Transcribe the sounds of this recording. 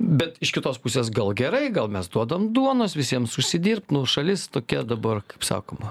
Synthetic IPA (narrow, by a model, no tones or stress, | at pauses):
bʲɛt̪ɪʃkʲɪt̪oːspusʲeːsɡɐlˠɡʲɛɾɐɪɡɐlˠmʲɛsd̪uɔd̪ɐmd̪uɔnoːsʋʲɪsʲiɛmsʊʃʲsʲɪd̪ʲiːɾp̚t̪nʊʃɐlʲɪst̪oːkʲɛd̪ɐbɐrkɐɪpsɑ̰ːkoːmɐ